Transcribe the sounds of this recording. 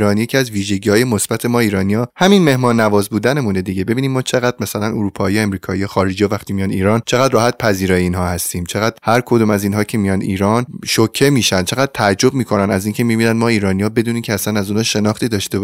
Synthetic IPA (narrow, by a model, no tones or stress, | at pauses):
ɾɒːnijecʰeæzviːʒe̞ɟiːhɒːjemo̞sb̥æt̪ʰe̞mɒːiːɾɒːnijɒːhæminme̞hmɒːnːævɒːzbuːd̪ænemuned̪iɟe̞be̞biːnimmɒːt͡ʃʰe̞ɣæd̪̥̚mæsælænoɾuːpʰɒːijemɾiːkʰɒːijɒxɒːɾed͡ʒiːjɒvæχt̪ʰimijɒːniːɾɒːnt͡ʃʰe̞ɣæd̪ɾɒːhæt̪̚pʰæziːɾɒːjeiːnɦɒːhæst̪iːmt͡ʃʰe̞ɣæd̪̥hæɾkʰo̞d̪uːmæziːnɦɒːcʰe̞mijɒnd̪iːɾɒːnʃocʰːe̞miːʃænd̪̚t͡ʃʰe̞ɣæd̪̥̚t̪ʰææd͡ʒːo̞b̚miːkʰo̞nænæziːnŋcʰe̞mibiːnænmɒːiːɾɒːnijɒːbe̞d̪uːniːcʰeæsænæzuːnɒːʃe̞nɒχt̪iːd̪ɒːʃt̪eb